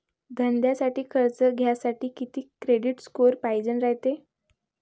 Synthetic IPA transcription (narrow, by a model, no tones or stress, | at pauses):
d̪ʱənd̪jasaʈiːkʰəɾt͡səɡʱjasaʈiːkit̪iːkɾeɽiʈskoɾpajd͡zənɾaɦt̪e